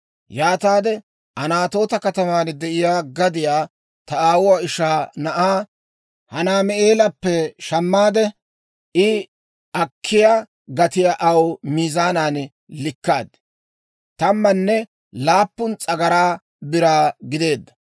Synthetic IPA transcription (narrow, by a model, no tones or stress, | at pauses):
jaːt̪aːd̪ɛ | ʔɐnaːt̪o̞ːt̪ɐkɐt̪ɐmaːnd̪ɛʔɪjaːɡɐd̪ɪjaː | t̪ɐaːwʊwaːɪʃaːnɐʔaː | hɐnaːmɛʔe̞ːlɐpːɛʃɐmːaːd̪ɛ | ʔɪ | ʔɐkʰːɪjaː | ɡɐt̪ɪjaːʔɐwmiːzaːnaːn | lɪkːaːd̪ | t̪ɐmːɐnːɛ | laːpːʊnt͡sʼɐɡɐɾaː | bɪɾaːɡɪd̪e̞ːd̪ːɐ̥